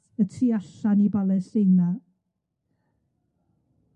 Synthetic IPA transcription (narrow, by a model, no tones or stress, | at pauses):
ətʰiːaɬanibalˠɛsejna